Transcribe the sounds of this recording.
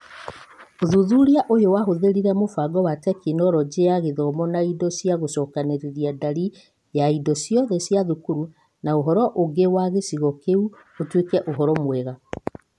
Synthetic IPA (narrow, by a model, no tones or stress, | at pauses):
oðuðuɾiaʔojowaɦoðeɾiɾɛmofaɡɔwatɛkinɔɾɔd͡ʑeaɣeðɔmɔnaidɔsiaɣosɔːkaneɾeɾiadaɾi | jaidɔsjɔðɛsiaðukuɾu | naoɦɔɾɔʔoɡewaɣesiɣɔkeu | otwekɛʔoɦɔɾɔmwɛɣa